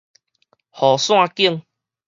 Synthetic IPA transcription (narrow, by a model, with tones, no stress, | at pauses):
hɔ˨˩sw̃ã˧ki˦˧ŋ